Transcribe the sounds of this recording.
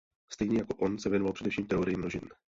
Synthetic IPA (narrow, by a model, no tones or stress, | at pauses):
st̪ɛjɲɛjako̞ʔo̞nsɛvjɛnovalpr̥ɛdɛfʃiːmt̪ɛo̞ɾɪjimnoʒɪn